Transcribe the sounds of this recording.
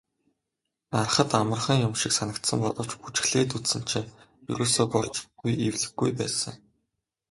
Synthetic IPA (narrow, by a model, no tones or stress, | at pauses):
ar̆χə̆t̪amə̆rχĭŋjʊmʃiksanə̆kt̪sə̆mpɔɮɞ̆w̥t͡ɕput͡ɕ̆xɮeːt̪̬ut̪sɘ̆n̥t͡ɕʰeː | jṵɾʔoːsoːpɔrt͡ɕɡujiwɮɘ̆ɡujpæːsə̰̆ŋ